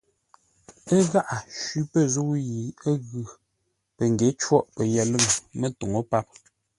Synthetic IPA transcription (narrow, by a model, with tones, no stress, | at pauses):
ə˦ɣa˦ʔa˨ʃɥi˦pə˦˨zo˦ji˨ə˦ɣʉ˨ | pə˨ŋɡe˨˦t͡ʃwɔ˦ʔpə˨jɛ˨lə˦ɣə˨mə˦to˨ŋo˦pa˦p̚